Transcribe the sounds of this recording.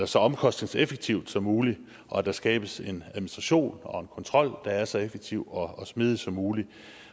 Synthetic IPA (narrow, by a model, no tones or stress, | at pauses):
ɐsɒ̽ɒ̽mkʰɒ̽sd̥ne̝ŋsefeɡ̥̚t͡sʰiʊd̥sɒ̽muːli | ʔɒ̽æd̥ɑ̈sɡ̥ɛ̰ːb̥əse̝næðˠminisd̥ʁɑ̈ɕo̝̰ːnɒ̽e̝nkʰɒ̽nt͡sʰʁɒ̽l̰d̥ɑ̈æɐsɒ̽efeɡ̥t͡sʰiʊ̰ɒ̽ɒsmið̞ˠisɒ̽muːli